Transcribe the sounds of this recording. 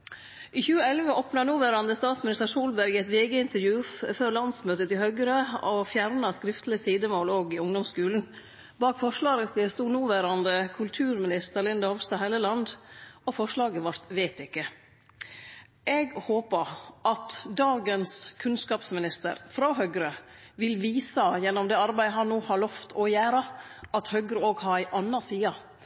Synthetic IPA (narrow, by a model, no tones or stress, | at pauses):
ʔiːçʉːəɛlʋəʔoːpnɑnuːʋæːɾɑnd̪əst̪ɑːt̪smɪnɪst̪əɾsuːlbæɾɡɛt̪ʋeːɡəɪnt̪əɾjʉːfføːɾlɑnsmøːt̪ət̪ʰɪlhœɡəɾəɔfjæɾnɑskɾɪft̪lɪəsiːd̪əmoːloːɡɪʊŋd̪ɔmskʉːln̩ | bɑːkfɔʂlɑːɾəkəst̪uːnuːʋæːɾɑnd̪əkʰʉlt̪ʰʉːɾmɪnɪst̪əɾlɪnd̪ɑhɔʋst̪ɑhæɪləlɑnd̪ɔfɔʂlɑːɡəʋɑɾt̪ʋeɪt̪ɪkːə | ʔɛɡhoːpəɾɑt̪d̪ɑːɡənskʰʉnskɑːpsmɪnɪst̪ə̰ɾfɾɑɦœɡɾə | ʋɪlʋiːsɑjɛnːɔmd̪ɛːɑɾbæɪɦɑnːuːhɑɭɔft̪ʰɔjæːɾɑʔɑt̪hœɡɾəoːɡhɑɾæɪʔɑnːɑsiːɑ